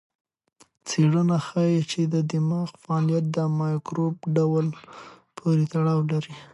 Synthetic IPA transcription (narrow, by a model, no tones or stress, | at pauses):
t͡seɽənaxajet͡ʃed̪əd̪ɪmɑqfaɑlijat̪̚d̪əmɑjkɾobɖawal | pʰoɾet̪aɽɑwlaɾi